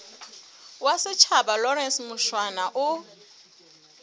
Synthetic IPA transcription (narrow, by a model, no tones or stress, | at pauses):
wasɪt͡ʃʰabalɔɾɛnsmʊʃwanaʔʊ